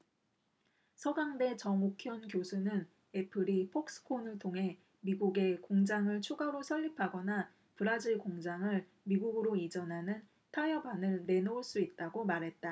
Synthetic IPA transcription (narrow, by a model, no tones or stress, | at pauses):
sʰʌɡaŋde̞t͡ɕʌŋokʰjʌnkjosʰunɯn | e̞pʰɯɾipʰok̚s͈ɯ̥kʰonɯɭtʰoŋɦe̞ | miɡuɡe̞koŋd͡ʑaŋɯɭt͡ɕʰuɡaɾosʰʌʎːipʰaɡʌna | pɯɾad͡ʑiɭkoŋd͡ʑaŋɯɭ | miɡuɡɯɾoid͡ʑʌnɦanɯn | tʰajʌbanɯɭne̞nouɭs͈uit̚t͈aɡomaɾɦe̞t̚t͈a